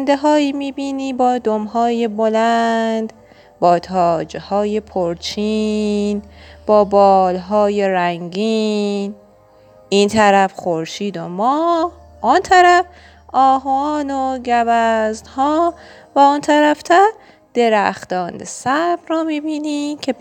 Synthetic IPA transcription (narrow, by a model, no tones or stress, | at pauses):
nd̪eɦɒːiːmiːbiːniːbɒːd̪omɦɒːjebolænnd̪ | bɒːt̪ʰɒːd͡ʒehɒːjepʰoɾt͡ʃʰinb̥ɒːbɒːlɦɒːjeɾæŋɟin | int̪ʰæɾæfxoɾʃiːd̪omɒːh | ʔɔnt̪ʰæɾæf | ʔɒːɦɒːnoɟæbæznhɒː | væɔnt̪ʰæɾæft̪ʰæɾ | d̪̥e̞ɾæ̰xt̪ɒːnḛsæɾb̥rɒːmiːbiːniːmcʰe